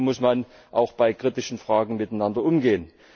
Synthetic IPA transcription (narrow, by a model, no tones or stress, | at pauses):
mʊsman | ʔa̰ʊxb̥aɪkʁ̥itɪʃn̩fʁ̥aːɡŋ̩mɪtaɪnandɐʔʊmɡeːən